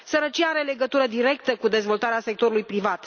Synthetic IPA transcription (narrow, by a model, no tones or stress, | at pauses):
səɾət͡ʃiaaɾe̞le̞ɡət̪uɾəd̪iɾe̞k̚t̪əkud̪e̞zvo̞lt̪aɾease̞k̚t̪o̞ɾulujpɾivat̪